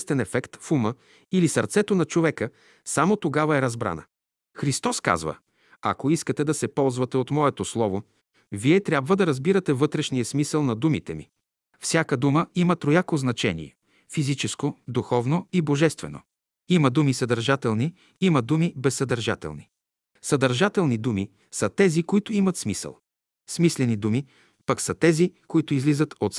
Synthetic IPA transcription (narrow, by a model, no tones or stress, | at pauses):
st̪ɛnɛfɛkt̪fumə | ilisɐɾt̪sɛt̪onɐt͡ʃovɛkə | samot̪oɡavɐɛɾɐzbɾa̰nə̰ | xɾist̪ɔska̰zvə̰ | ɐ̰koiskət̪ɛd̪ɐsɛpɔlˠzvɐt̪ɛot̪mɔɛt̪oslˠɔvo | viɛt̪ɾʲabvəd̪ɐɾɐzbiɾɐt̪ɛvɤt̪ɾɛʃnijəsmisəlˠnɐd̪umit̪ɛmḭ | fsʲjakəd̪uməimɐt̪ɾojakoznɐt͡ʃɛnḭɛ | fizit͡ʃɛskod̪uxɔvnoiboʒɛst̪vɛno̰ | imɐd̪umisɐd̪ɐɾʒat̪ɛlˠni | imɐd̪umibɛsːɐd̪ɐɾʒa̰t̪ɛ̰lˠni | sɐd̪ɐɾʒat̪ɛlˠnid̪umi | sɐt̪ɛzikoit̪ʊimɐt̪smisə̰lˠ | smislɛnid̪umi | pɐksɐt̪ɛzikoit̪ʊizlizət̪ot̪s